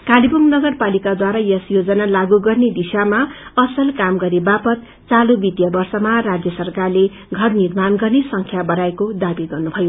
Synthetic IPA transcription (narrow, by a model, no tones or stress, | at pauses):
kalibʌmnʌɡʌrpalikad̪waɾajʌsjod͡zʌnalaɡuɡʌrned̪isamaʌsʌlkamɡʌɾebapʌt̪ | t͡salubit̪jʌbʌrsʌmarad͡zjʌsʌrkarle | ɡʱʌrnirmanɡʌrnesʌŋkʰjabʌɾaekod̪abiɡʌrnubʱʌjo